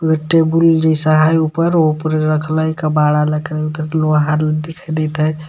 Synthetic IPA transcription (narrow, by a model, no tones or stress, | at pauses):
ɡəʈːebulnisəɦajupəɾopɾeɾəkʰləjkəbaɽaləkkəɾloɦaɾld̪ekʰəd̪ɛt̪ɦəj